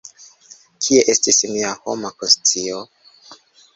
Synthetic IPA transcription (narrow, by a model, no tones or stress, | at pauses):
kʰie̞ʔe̞stismiaho̞makonstio